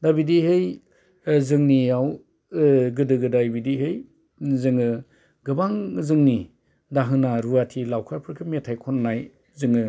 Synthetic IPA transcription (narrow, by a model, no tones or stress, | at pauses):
dabidihɯj | zɯŋnijaw | ɡɯdɯɡɯdajbidiɦɯj | zɯŋɯ | ɡɯbaŋzɯŋni | daɦɯnaɾuatʰilawkʰaɾpʰɯɾkʰɯmetʰajkʰɔnːaj | zɯŋɯ